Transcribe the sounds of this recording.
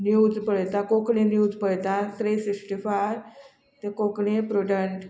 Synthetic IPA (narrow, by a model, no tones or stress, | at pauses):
njud͡zpəɭt̪ãkokɳenjud͡zpəɭt̪ãt̪ɾesisʈifaɾ | t̪ẽkokɽepɾoɖəɳʈ